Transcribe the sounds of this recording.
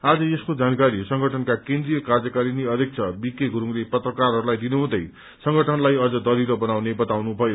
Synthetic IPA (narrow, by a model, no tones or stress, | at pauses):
ad͡zʌeskod͡zankaɾisʌŋɡʱʌʈʰʌnkakẽnd̪rijʌkard͡zʌkaɾiniʌd̪jek̚t͡sʰʌbikeɡʱuɾuŋlepʌt̪rʌkarɦʌɾulajd̪inuɦũd̪ʌj | sʌŋɡʱʌʈʰʌnlajʌd͡zʌd̪ʌɾiɾobʌnawnebʌt̪awnubʱʌjo